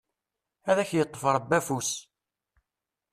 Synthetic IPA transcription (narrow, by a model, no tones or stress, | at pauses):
æðæçjət̪ˤːə̥fəɾˤbːæfus